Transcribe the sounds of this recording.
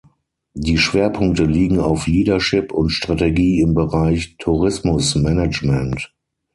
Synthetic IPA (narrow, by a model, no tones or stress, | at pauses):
diːʃv̥eːɐpʰʊŋk̚təliːɡŋ̩aʊfliːdɐʃɪpʊntʃtʁ̥ateɡiːɪmbəʁaɪçtʰuʁɪsmʊsmɛnɛt͡ʃmɛ̃nt